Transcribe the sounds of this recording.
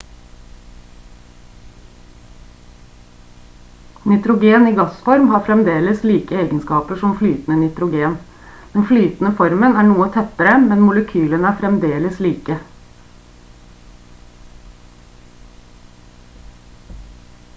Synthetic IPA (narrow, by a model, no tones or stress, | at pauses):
nɪt̪ɾʊɡeːniːɡɑsfɔɾmhɑːfɾɛmd̪eːləsliːkəeːɡənskɑːpəʂɔmflyːt̪n̩ənɪt̪ɾʊɡeːn | d̪̥ɛnflyːt̪n̩əfɔɾmənæːɳuːət̪ʰɛt̪əɾəmɛnmʊləkʰyːlənæːfɾɛmd̪eːləsliːkə